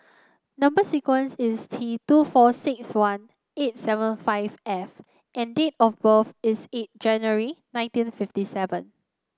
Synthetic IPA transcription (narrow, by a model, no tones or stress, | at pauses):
nãmbəsikwə̃nsɪstʰitufɔsɪkswãn | et̚sɛvə̃nfaɪvɛf | ʔɛ̃ndet̚ɔfbəfɪset̚d͡ʒɛ̃njuəɹinãɪ̃ntĩnfiftisɛvə̃n